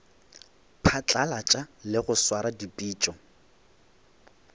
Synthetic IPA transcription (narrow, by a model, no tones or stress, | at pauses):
pʰat͡ɬʼalat͡ʃʼalɪɣʊswaɾadipʼiːt͡ʃʼɔ